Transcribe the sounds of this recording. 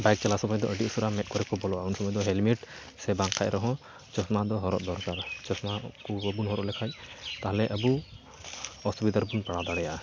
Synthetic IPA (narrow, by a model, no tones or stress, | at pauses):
bajk̚t͡ʃalasɔmɔjd̪ɔʔəɖiusɔɾamɛt̪̚kɔɾɛkɔbɔlɔaunsɔmɔjd̪ɔɦɛlmiʈ | sɛbaŋkʰac̚ɾʔɔɦɔ̃ | t͡ʃɔsmad̪ɔɦɔɾɔ̰ʔ̪̚d̪ɔɾkaɾt͡ʃɔsmakubəbunɦɔɾɔʔlɛkʰac̚t̪aɦlɛʔəbu | ɔsubid̪aɾbunpaɽad̪aɽɛja